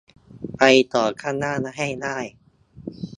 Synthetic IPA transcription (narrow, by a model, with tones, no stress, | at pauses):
pa˧jt̪ɔː˨˩kʰaː˥˩nnaː˥˩na˧˥˩ɦa˥˩jnaː˥˩j